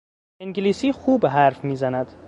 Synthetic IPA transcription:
iŋɡeliːsiːxuːbɦæɾfmiːzænæd̪̥

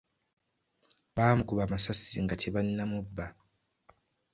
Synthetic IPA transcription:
βaːmukuβamasasiŋɡatʰeβanːamubːa

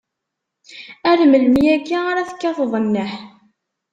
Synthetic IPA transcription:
æɾmələmjæɡiaɾæθə̥kːɑfəðˤnːəħ

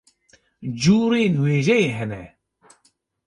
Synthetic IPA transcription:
d͡ʒuːɾeːnweːʒɛjeːɦɛnɛ

